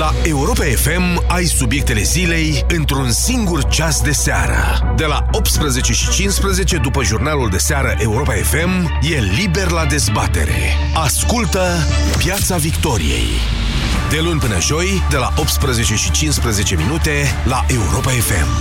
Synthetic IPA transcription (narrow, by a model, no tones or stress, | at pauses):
laʔe̞uɾo̞pae̞fe̞m | ajsubje̞k̚t̪e̞le̞zile̞j | ɨnt̪ɾunsiŋɡurt͡ʃasd̪e̞sea̰ɾə̰ | d̪e̞la | o̞p̚t̪spɾəze̞t͡ʃe̞ʃit͡ʃinspɾəze̞t͡ʃe̞d̪upəʒurnaluld̪e̞seaɾəʔe̞uɾo̞pae̞fe̞m | je̞libe̞rlad̪e̞zbat̪e̞̰ɾe̞̰ | askult̪ə | pjat̪savikt̪o̞ɾḭjḛj | d̪e̞lunʲpɨnə̰ʒo̞j | d̪e̞la̰ʔo̞pt̪spɾəze̞t͡ʃe̞ʃit͡ʃinspɾəze̞t͡ʃe̞minut̪e̞ | laʔe̞uɾo̞pae̞fe̞̰m